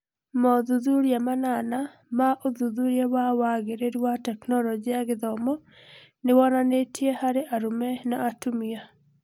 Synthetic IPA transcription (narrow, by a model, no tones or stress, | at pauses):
mɔðuðuɾjamanana | maʔoðuðuɾjawawaɡeɾeɾwatɛknɔlɔd͡ʒiaɡɪðɔmɔ | nɪwɔnanetʰjehaɾeʔaɾumɛnaʔatumia